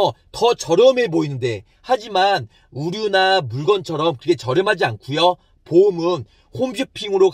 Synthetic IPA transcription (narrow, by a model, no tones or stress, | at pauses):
ʌtʌt͡ɕʌɾjʌmeboinɯnde̞ | had͡ʑiman | uɾjunamuɭɡʌnt͡ɕʰʌɾʌmkɯɾɯkʰet͡ɕʌɾjʌmɦad͡ʑiankʰujʌ | pomɯn | hombipʰiŋɯɾok